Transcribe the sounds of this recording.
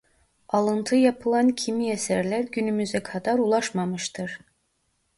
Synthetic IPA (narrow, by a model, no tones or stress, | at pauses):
ɑlˠɯnt̪ʰɯjapʰɯlˠancʰimiesæɾlʲæɾɟynymyzɛkʰad̪aɾulˠaʃmamɯʃt̪ʰɯɾ̥